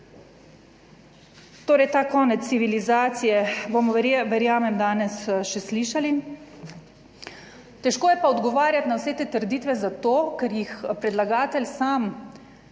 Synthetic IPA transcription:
t̪oːɾɛjt̪aːkɔːnɛt̪sːiʋilizaːt̪sijɛbomɔʋɛɾjaːmɛmd̪aːnɛsʃɛsliːʃali | t̪ɛʃkoːjɛpaɔd̪ɡɔʋaːɾjat̪nawsɛt̪eːt̪əɾd̪iːt̪ʋɛzat̪oːkɛɾjixpɾɛd̪laɡaːt̪ɛlsaːm

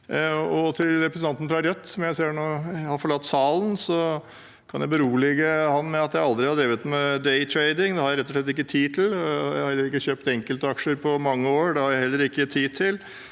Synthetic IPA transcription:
ɔt̪ʰɪlɾɛpɾəsnɑnt̪n̩fɾɑɾœt̪ːsɔmjæɪseːɳoːhɑɾfɔɭɑt̪ːsɑːln̩sɔ | kʰɑnjæɪbəɾuːlɛɡəhɑnmɛɑt̪jæɪɑld̪ɾɪhɑɾd̪ɾiːʋət̪mɛd̪ɛɪt̪ʰɾeɪd̪ɪŋd̪ɛhɑɾjæɪɾɛt̪ːɔʂɭɛt̪ːɪkːət̪ʰiːt̪ʰɪljæ̰ɪhɑhɛlːəɾɪkːəçøːpt̪ɛŋkəlt̪əɑkʂəɾpʰɔmɑŋːəoːɾɖ̪ɛhɑɾjæɪhɛlːəɾɪkːət̪ʰiːt̪ʰɪl

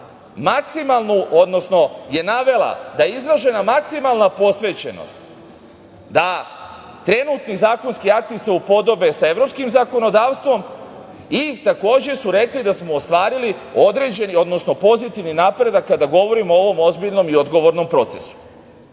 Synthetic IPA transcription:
maksimalˠnuʔod̪no̞sno̞je̞naʋe̞lˠa̰d̪ajeizɾaʒe̞namaksimalˠnapo̞sʋe̞ːt͡ɕe̞no̰st̪ | d̪a | t̪ɾe̞nut̪nizaːkonskiak̚t̪iseupo̞d̪o̞be̞saeʋɾo̞pskimzako̞no̞d̪aːʋst̪ʋo̞m | it̪ako̞ːd͡ʑe̞suɾe̞klid̪asmo̞ːst̪ʋaːɾilio̞d̪ɾe̞d͡ʑe̞nio̞d̪no̞sno̞po̞zit̪iʋninapɾe̞d̪akːad̪aɡo̞ʋo̞ɾimoo̞ʋo̞mo̞zbiʎno̞mio̞d̪ɡo̞ʋo̞ɾno̞mpɾo̞t̪se̞su̥

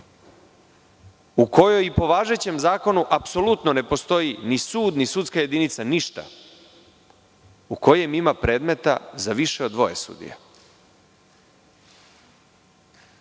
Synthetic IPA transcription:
uko̞jo̞jipo̞ʋaːʒe̞t͡ɕe̞mzaːko̞nuʔapso̞lut̪none̞po̞st̪o̞jinisuːd̪nisut̪skajed̪init̪saniʃt̪a̰ | uko̞jemimapɾe̞ːd̪me̞t̪a̰zaʋiʃeo̞d̪ʋo̞̰jesṵd̪ḭja̰

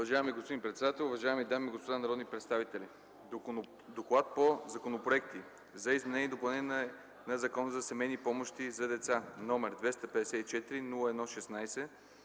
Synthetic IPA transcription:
ʊvɐʒaɛmiɡospod̪inpɾɛt̪sɛd̪at̪ɛlˠʊvɐʒaɛmid̪amiɡospod̪anɐɾɔd̪nipɾɛt̪st̪avit̪ɛlʲi | d̪oklˠat̪̚pozɐkonopɾoɛk̚t̪i | zɐizmɛnɛniɛd̪opɐlˠnɛ | nɐzɐkɔnəzɐsɛmɛjnipɔmoʃt̪izɐd̪ɛt̪sanɔmɛɾd̪vɛst̪ɐpɛd̪ɛsɛt̪it͡ʃɛt̪iɾinulˠəɛd̪nɔʃɛsnajsɛ

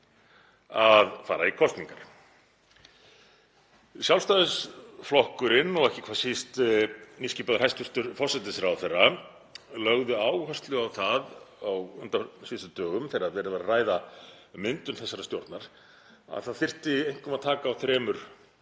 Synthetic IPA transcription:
aðfa̰ːɾaikʰɔst̪niŋkaɾ̥ | sjawlst̪aːðɪsflɔhkʏɾɪnːɔɣɛhcɪ̥kʰvaːsist̪niscipaðʏɾhɛst̪ʏɾ̥t̪ʏɾfɔrsːɛt̪ɪsɾawθɛrːa | lœɣðʏaːwhœst̪lʏawθaðawʏnt̪asvɪst̪ʏt̪œːɣʏmθɛɾaðvɛɾðɪvaɾaraːjða | mɪnt̪ʏnθɛsːaɾast̪jowɾt̪naɾ̥ | a̰ðθaðfɪr̥t̪ɪejŋ̥kʏmaðt̪ʰaːkaːwθɾɛːmʏɾ̥

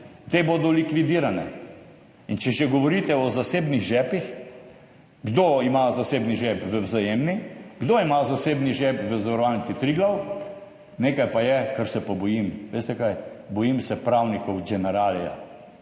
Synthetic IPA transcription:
t̪eboːd̪ɔlikʋid̪iːɾanɛ̰ | int͡ʃɛʒɛɡɔʋɔɾit̪ɛɔzaseːbniɣʒɛːpix | ɡd̪oimazasebniʒɛpʋəwzajemniɡd̪oimazaseːbniʒɛpʋəzaʋɐɾɔʋalnitt͡s̪it̪ɾiɡlaw | neːkajpajɛkəɾsɛpɔbɔjimʋeːst̪ɛkajbɔjimsɛpɾawnikɔwɡɛnɛɾaːlja̰

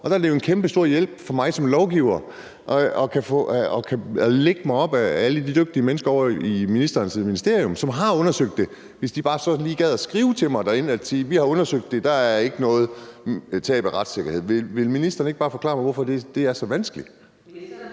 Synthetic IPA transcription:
ɒ̽d̥ɑ̈æɐde̝jo̝enkʰemb̥əsd̥o̝ɐ̰jel̰b̥fɒ̽mɑ̈ɪsɒ̽mlɒʊɡ̥iʊ̰ɐ | ʔɒkʰæfɔ̰ɒkʰæleɡ̥əmɑ̈ɪɒ̽b̥ææləd̥id̥øɡ̥̚d̥iəmenəsɡ̥ɐɒʊ̰ɐiminisd̥ɐːnsminisd̥e̝ɐ̰ijɔ̽msɒ̽mɦɑ̈ɔ̽nɐsøɡ̥̚d̥e̝ | ʋe̝sd̥ib̥ɑ̈ːsɒ̽liːɡ̥ɛð̞̰ˠæsɡ̥ʁiːʊt͡sʰe̝mɑ̈ɪd̥æɐe̝næd̥siːʋihɑ̈ɔ̽nɐsøɡ̥̚d̥e̝d̥ɑ̈æɐe̝ɡ̥ənɔ̽ːð̞̩ˠt͡sʰɛ̰ːb̥æʁɑ̈d̥se̝ɡ̥ɐhe̝ð̰ˠʋeʋe̝lminisd̥ɐːn̩eɡ̥̚b̥ɑ̈ːfɒ̽kʰlɑ̰̈ːmɑ̈ɪʋɔfɒ̽d̥e̝d̥e̝æɐsɒ̽ʋænsɡ̥əli̥

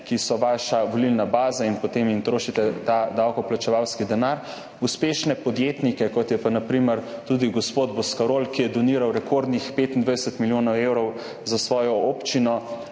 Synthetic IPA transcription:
kisɔʋaʃaʋolilnabaːzainpɔt̪emint̪ɾoːʃit̪ɛt̪ad̪awkɔplat͡ʃɛʋawskid̪ɛnaɾ | uspeːʃnɛpɔd̪jet̪nikɛkɔt̪jɛpanapɾiməɾt̪ud̪iɡɔspoːd̪bɔskaɾoːlkijɛd̪ɔniːɾawɾɛkoɾd̪nixpeːt̪ind̪ʋajd̪ɛsɛt̪miljoːnɔwewɾɔw | zasʋɔːjɔopt͡ʃinɔ

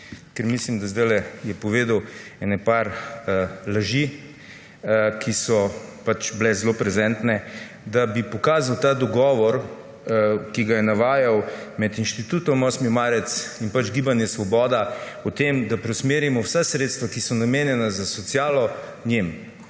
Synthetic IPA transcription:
kɛɾmislimd̪azd̪ajlɛjɛpɔʋeːd̪əwɛnɛpaɾ | laʒi | kʰisɔpat͡ʃblɛzlopɾɛzɛːnt̪nɛ | d̪abipɔkaːzawt̪ad̪ɔɡɔːʋɔɾ | kiɡajɛnaʋaːjawmɛt̪inʃt̪it̪ut̪ɔmɔsmimaːɾɛt̪sinpad͡ʒɡibanjɛsʋɔbɔːd̪aɔt̪emd̪apɾɛwsmeːɾimɔwsasɾeːt̪st̪ʋakisɔnameːnjɛnazasɔt̪sjaːlɔ | njem

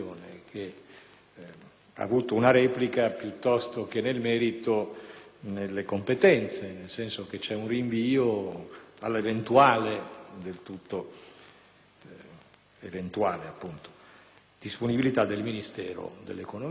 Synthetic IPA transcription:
oːnekʰe | a̰ːvuːt̪ounaɾɛːplikapjut̪ːɔst̪ok̟enelmɛːɾit̪o | nelːekompet̪ɛnt̪senelsɛnsok̟et͡ʃɛunriɱviːo | a̰lːevent̪uaːled̪elt̪ut̪ːo | event̪uaːleapːunt̪o̥ | d̪̥isponibilit̪ad̪elminist̪ɛːɾo̰d̪ḛlːekono

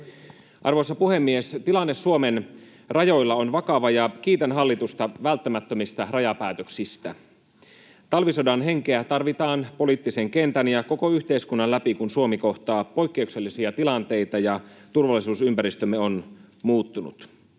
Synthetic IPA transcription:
ʔɑ̰rʋosːɑpuhe̞mːiest̪ilɑnːesːuomen | rɑjo̞jlːɑo̞nʋɑkɑʋɑjɑk̟iːt̪ænɦɑlːit̪ust̪ɑʋælt̪ːæmæt̪ːømist̪ɑrɑjɑpæːt̪øksist̪æ̰ | t̪ɑlʋisodɑnɦe̞ŋkeæt̪ɑrʋit̪ɑːnpo̞liːˑt̪ːise̞ŋke̞nt̪ænjɑko̞ko̞yçt̪e̞iskunːɑlæpikunsuo̞miko̞ht̪ɑːpo̞jkːe̞ukse̞lːisiɑt̪ilɑnt̪e̞jt̪ɑjɑt̪urʋɑlːˑisuːsympæɾist̪ømːeo̞nmuːt̪ːunṵt̪

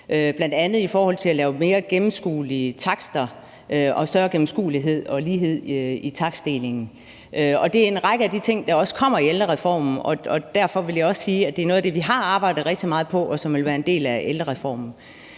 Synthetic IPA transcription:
øb̥lænd̥ænð̞̩ˠifɒːhɒ̽l̰t͡sʰe̝lælɛːʊme̝ːɐɡ̥emm̩sɡ̥ṵːliət͡sʰɑ̈ɡ̥sd̥ɐ | øʔɒ̽sd̥ɶɐɡ̥em̩sɡ̥ṵːliɦe̝ð̞̰ˠɒ̽liːɦe̝ð̞̰ˠit͡sʰɑ̈ɡ̥sd̥e̝le̝ŋn̩ | ʔøɒ̽d̥e̝æɐe̝nʁɑ̈ɡ̥əæd̥it͡sʰe̝ŋ̰d̥ɑ̈ɒ̽sə̥kʰɒ̽m̰ɐield̥ɐʁɛfɒ̰ːmn̩ɒ̽ɒ̽d̥æɐ̰fɒ̽ʋe̝ljɑɒ̽ssiːæd̥e̝æɐno̽ːð̩ˠd̥e̝ʋiɦɑ̈ɑ̈ːb̥ɑ̈ɪ̰d̥ð̩ˠʁɛɡ̥d̥imɑ̈ːð̞̩ˠpʰɒ̽ʔɒ̽sɒ̽mʋe̝lʋæːɐe̝nd̥e̝̰ːlæeld̥ɐʁɛfɒ̰ːmn̩

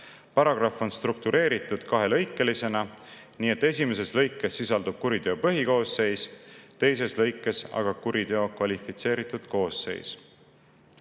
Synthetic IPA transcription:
pɑɾɑɡ̥rɑfo̞nst̪ruk̚t̪uɾe̞ːɾit̪ːˑud̪̥kɑɦe̞lɤjkːˑe̞lise̞nɑ | niːet̪ˑːe̞s̬ʲime̞s̬e̞slɤ̞jkːˑe̞sːisɑld̪̥ub̥̚kuɾid̪eopɤɦiko̞ːsːe̞jst̪e̞js̬e̞slɤ̞jkːˑe̞sɑ̰ɡ̥ɑkuɾid̪̥eokvɑlifit̪se̞ːɾit̪ːˑud̪̥ko̞ːsːe̞̰js

